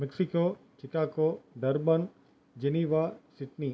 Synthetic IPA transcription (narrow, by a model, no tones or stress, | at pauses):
mɛksikoːt͡ʃɪkaːkoːɖɐɾbən | d͡ʑɐniːʋasɪʈni